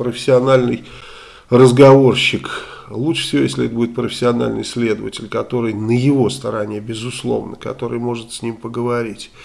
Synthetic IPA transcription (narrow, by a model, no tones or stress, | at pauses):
pɾəfʲɪ̥sʲɪɐnalʲnɨj | rəzɡɐvo̞rɕːɪk | lˠuʂfsʲɪvojesʲlʲɪɛt̪əbudɪt̪̚pɾəfʲɪ̥sʲɪɐna̰lʲnɨ̰jsʲlʲed̪əvətʲɪlʲkɐt̪o̞ɾɨjnəjɪvo̞st̪ɐɾanʲɪjəbʲɪzʊslˠo̞̰vnəkɐ̰t̪o̞ɾɨ̰jmo̞ʐɨt̪sʲnʲimpəɡəvɐɾʲitʲ